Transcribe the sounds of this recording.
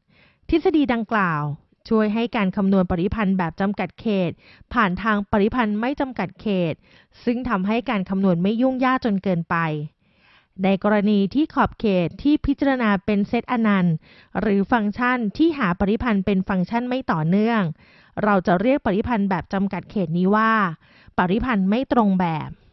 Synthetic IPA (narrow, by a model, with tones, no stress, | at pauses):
t̪ʰi˦˥t̪̚sa˧diː˧da˧ŋklaː˨˩w | t͡ɕʰu˥˩əjɦa˥˩jkaː˧nkʰa˧mnu˧ənpa˨˩t̪i˦˥˩pʰa˧nbɛː˨˩p̚t͡ɕa˧mka˨˩t̪̚kʰeː˨˩t̪̚ | pʰaː˨˩nt̪ʰaː˧ŋpa˨˩t̪i˦˥pʰa˧nma˥˩jt͡ɕa˧mka˨˩t̪̚kʰeː˨˩t̪̚ | sɯ˥˩ŋt̪ʰa˧mɦa˥˩jkaː˧nkʰa˧mnu˧ənma˥˩jːu˥˩ŋjaː˥˩k̪̚t͡ɕo˧nkɤː˧npa˧j | na˧jkɔː˧ɾa˧niː˧t̪ʰiː˥˩kʰɔː˨˩p̚kʰeː˨˩t̪ʰːiː˥˩pʰi˦˥t̪̚t͡ɕa˧ɾa˧naː˧pe˧nse˦˥t̪̚ʔa˧na˧n | ɾɯː˩˦fa˧ŋt͡ɕʰa˥˩nt̪ʰiː˥˩ɦaː˩˦pa˨˧ɾi˦˥pʰa˧npe˧nfa˧ŋt͡ɕʰa˥˩nma˥˩jt̪ɔː˨˩nɯ˥˩əŋ | ɾa˧wt͡ɕa˨˩ɾi˥˩ək̚pa˨˩t̪i˦˥˩pʰa˧nbɛː˨˩p̚t͡ɕa˧mka˨˩t̪̚kʰeː˨˩t̪̚niː˦˥waː˥˩ | pa˨˩ɾi˦˥pʰa˧nma˥˩jt̪ɾo˧ŋbɛː˨˩p̚